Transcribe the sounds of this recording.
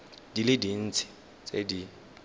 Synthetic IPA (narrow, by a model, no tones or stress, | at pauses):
d̥ilɪdin̩t͡sʰɪ̥ | t͡sʼedi